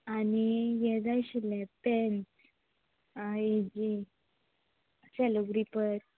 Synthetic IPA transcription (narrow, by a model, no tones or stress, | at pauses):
anijɛd͡zajɕilɛ̃pɛns | ed͡ʑi | sɛloɡɾipəɾ